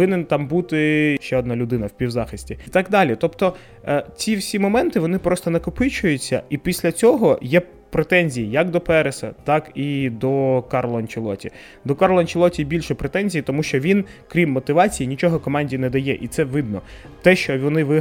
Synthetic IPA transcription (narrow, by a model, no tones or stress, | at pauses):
ɪnent̪ɑmbut̪ɪʃt͡ʃɛɔd̪nɑlʲʊd̪ɪnɐwpʲiwzɑxɪsʲtʲit̪ɑɡd̪ɑlʲit̪ɔpt̪ɔ | t͡sʲiwsʲimɔmɛnt̪ɪʋɔnɪpɾɔst̪ɔnɐkʊpɪt͡ʃʊjʊt͡sʲːɐ̰ipʲisʲlʲɐt͡sʲɔɦɔjɛ | pɾet̪ɛnʲzʲijijɐkd̪ɔpɛɾesɐ̰t̪ɑkid̪ɔkɑrlˠɐnʲt͡ʃɪlˠɔ̰tʲi | d̪ɔkɑrlˠɐnʲt͡ʃɪlˠɔtʲibʲilʲʃɛpɾet̪ɛnʲzʲijit̪ɔmuʃt͡ʃɔʋʲinkɾʲimːɔt̪ɪʋɑt͡sʲijinʲit͡ʃɔɦɔkɔmɑnʲdʲinɛd̪ɐjɛʔit̪sɛʋɪd̪nɔ | t̪ɛʃt͡ʃɔʋɔnɪʋɪ